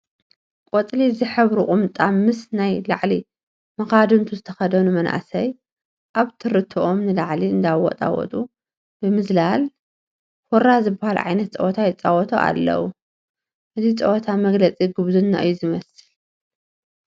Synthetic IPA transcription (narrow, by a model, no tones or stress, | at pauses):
kʼot͡sʼlizɨħɨβɾukʼʊmt̪ʼamɨsnajlaʕli | mɐxad̪ɨnt̪ʰuzɨt̪ʰɐ̥xɐd̪ɐnumɐnʔa̰sɐj | ʔaβt̪ʰɨɾɨt̪ʰːɨʔomnɨlaʕliɨnd̪awɔ̰t̪ʼa̰wɔ̰t̪ʼu | b̥ɨmɨzlal | hoɾazɨbːahalʕa̰jnɐt̪t͡sʼɐ̰wɔt̪ʰajɛt͡sʼːawɔt̪ʰo̰ʔa̰lːɐ̰wu | ʔɨzʰit͡sʼɐ̰wɔt̪ʰamɐɡlɐt͡sʼiɡɨβzunːa̰ʔɨjːuzɨmɐsɨl